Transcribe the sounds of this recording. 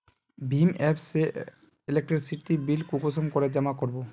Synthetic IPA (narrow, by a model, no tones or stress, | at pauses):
bʱimɛpse | elek̚ʈɾeɾsiʈibilkukosomkoɾed͡ʑamakoɾbo